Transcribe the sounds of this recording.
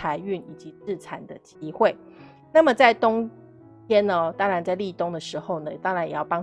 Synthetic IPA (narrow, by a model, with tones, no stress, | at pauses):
a˧˥ɪy˥˩ni˨˩t͡ɕi˧˦t͡sɹ̩˥˩t͡sʰa˨˩nd̪ə˨t͡ɕi˥xwe˥˨˩ɪ | na˥˩mə˩t͡sa˥˩ɪt̪ʊ˥ŋ | t̪ʰjɛ˥nnə˨t̪ɑ˥ŋɻa˧˥nt͡sa˥˧ɪli˥˨˧t̪ʊ˥ŋd̪ə˨ʂɻ̩˧˥xo˥˨˩ʊnə˩˧t̪ɑ˥ŋɻa˨˧˦njjɑ˥˩ʊpɑ˥ŋ